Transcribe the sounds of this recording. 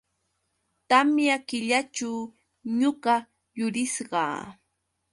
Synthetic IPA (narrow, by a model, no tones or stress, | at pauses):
t̪amjakɪʎat͡ʃaw | ɲʊɢɑ | jʊɾɪsɢɑ̰ː